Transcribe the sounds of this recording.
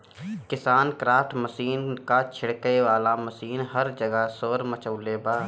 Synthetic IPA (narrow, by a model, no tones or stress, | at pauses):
kɪsaːnkɾaːfʈməsiːnkat͡ʃʰɪɽkəjʋaːlaməsiːnɦəɾd͡ʒəɡəsoːɾmət͡ʃəʊleːbaː